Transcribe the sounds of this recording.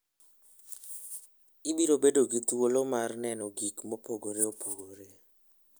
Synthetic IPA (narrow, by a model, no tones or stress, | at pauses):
ɪbiɾobedoɡit̪wolomarnɛnɔɡikmopoɡoɾeopʰoɡoɾe